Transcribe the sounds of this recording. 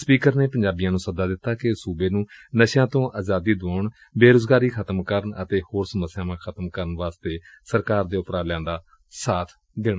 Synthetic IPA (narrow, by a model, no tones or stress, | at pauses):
spiːkəɾneːpəɲd͡ʒaːbijãːnũːsəd̪aːd̪ɪt̪ːaːkɪsuːbeːnũːnəʃjãːt̪õːʔaːzaːd̪iːd̪ʊaːʊɳ | beːɾoːzɡaːɾiːkʰət̪əmkəɾəɳə̰t̪eːhoːɾsəməsːjaːmãːkʰət̪əmkəɾənʋaːst̪eː | səɾkaːɾd̪eːʊpɾaːlɛ̃ːnd̪aː | saːt̪ʰ | d̪ɪɽ̃aː